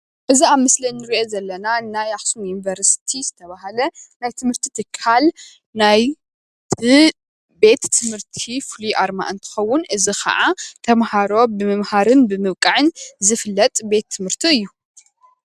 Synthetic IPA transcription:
ʔɨziaβmɨslinːɨɾiʔo̞zɐlːɐnanajaxsumjunivɐɾst̪ʰizɨt̪ʰɐβaɦalɐnajt̪ʰɨmhɨɾt̪ʰi̥t̪ʰɨkʰːal | naj | tɨ | be̞t̪ːɨmhɨɾt̪ʰifuliʔaɾma̰ʔɨnt̪ʰɨ̥xɐwːʊnʔɨzixʰɐ̰ʔat̪ʰɐmhaɾo̞bɨmɨmhaɾɨnbɨmɨβkʼaʕɨnzɨfɨlːɐt̪ʼbe̞t̪ʰːɨmhɨɾt̪ʰiɨjːu

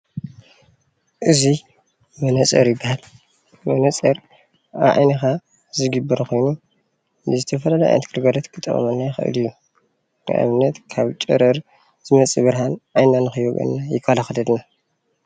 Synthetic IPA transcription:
ʔɨzi | mɐnɐt͡sʼɐ̰ɾjɪbːahal | mɐnɐt͡sʼɐɾ | ʔaβʕa̰jnɐxa | zɨɡɨbːɐɾxʰo̞jnu | nɨzɨt̪ʰɐfɐlalɐjʔa̰jnt̪kʰɨɾɡaɾɐt̪kʰɨt̪ʼːɐ̰χʼɐ̰mɐnːajxɨ̰ʔɨ̰lɨjːu | nɨ̰ʔa̰βɨnːɐt̪kʰaβt͡ʃʼɐɾɐɾ | z̥ɨmɐt͡sʼiβɨɾɦanʔajnːanɨxɨjoɡʼɐ̰nːajɪkʰːalaxlɐd̪na

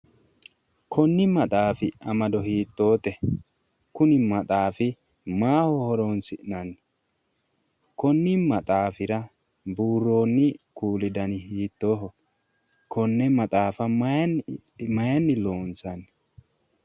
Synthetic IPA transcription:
kʰɔnːɪmɐt̪ʼaːfɪɐmɐd̪ɔhiːt̪ːo̞ːt̪ɛ | kʊnɪmɐt̪ʼaːfɪ | maːhɔhɔɾoːnsɪʔnɐn | kɔnːɪmɐt̪ʼaːfɪɾɐ | buːrːo̞ːnːɪkuːlɪd̪ɐnɪhiːt̪ːo̞ːɦɔ | kɔnːɛmɐt̪ʼaːfɐ | mɐjɐnːɪlo̞ːnsɐn

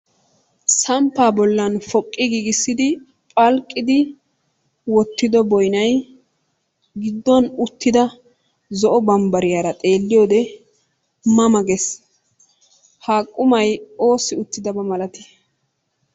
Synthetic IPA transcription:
sɐmpːaːbɔlːɐnfɔkʼːɪɡiːɡɪsːɪd̪ɪ | pʼɐlkʼːɪd̪ɪ | wɔt̪ːɪd̪ɔbɔjnɐj | ɡɪd̪ːɔnʊt̪ːɪd̪ɐ | zɔʔɔbɐmbɐɾɪjaːɾɐt̪ʼe̞ːlːɪjoːd̪ɛ | mɐmɐɡɛs | haːkʼːʊmɐjo̞ːsɪʊt̪ːɪd̪ɐbɐmɐlɐt̪ɪ̥

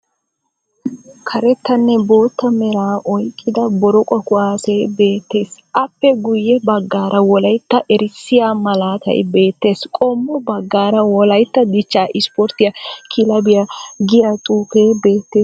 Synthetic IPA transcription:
kʰɐɾɛt̪ːɐnːɛbo̞ːt̪ːɐmɛɾaːʔɔjkʼːɪd̪ɐbɔɾɔkʼɔkʊaːsebe̞ːt̪ːe̞ːsʔɐpːɛɡʊjːɛbɐɡːaːɾʔɐwɔlɐjt̪ːɐʔɛɾɪsːɪjaːmɐlaːk̪ɐ̰j̰be̞ːt̪ːe̞ːskʼɔmːɔbɐɡːaːɾɐwɔlɐjt̪ːɐd̪ɪt͡ʃːaːʔɪspɔɾt̪ːɪjɐkʰɪlɐbɪjɐɡɪjɐt̪ʼuːkeːbe̞ːt̪ːeːs

